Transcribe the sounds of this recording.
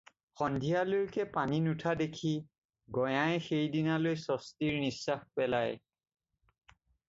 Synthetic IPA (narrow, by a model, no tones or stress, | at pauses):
xɔndʱijalojkɛpaninutʰadekʰi | ɡɔjajxejdinalojsɔstiɹnisːaxpɛlaj